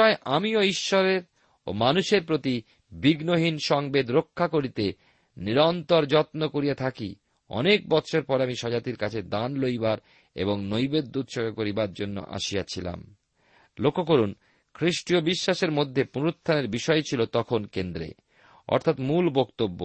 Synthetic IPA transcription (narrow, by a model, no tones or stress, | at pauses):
ɔeʔamioiʃːɔɾeɾ | o̰manuʃeɾpɾot̪i | biɡnoɦinʃɔŋbed̪ɾokʰːakoɾit̪e | niɾɔnt̪oɾd͡ʑɔt̪nokoɾijat̪ʰakḭ | ɔ̰nek̚bɔt̪ɕʰoɾpɔɾeamiʃɔd͡ʑat̪iɾkat͡ɕʰed̪anlojbaɾ | ḛboŋnojbed̪ːud̪ʃɔɡekoɾibaɾd͡ʑonːo̰ʔa̰ʃijat͡ɕʰila̰m | lokʰːok̬oɾun | kʰɾiʃʈiobiʃːaʃeɾmod̪ʱːepunoɾot̪ʰːaneɾbiʃɔet͡ɕʰilot̪ɔkʰonkend̪ɾḛ | ɔ̰ɾt̪ʰat̪mulbokt̪obːo̰